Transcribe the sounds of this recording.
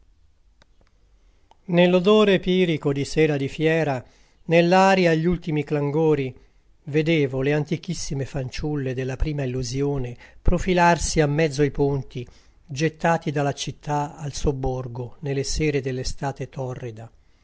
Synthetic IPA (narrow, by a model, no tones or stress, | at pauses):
nelːod̪oːɾepiːɾikod̪isɛːɾad̪ifjɛːɾa | nelːaːɾjaʎːult̪imiklaŋɡoːɾi | ved̪eːvoleant̪ik̟isːimefant͡ʃulːed̪elːapɾiːmailːuzjoːnepɾofilarsiamːɛd̪zːoaipunt̪i | d͡ʒet̪ːaːt̪id̪alːat͡ʃit̪ʰːaalsobːorɡonelːesɛːɾed̪elːest̪aːt̪et̪ɔrːid̪a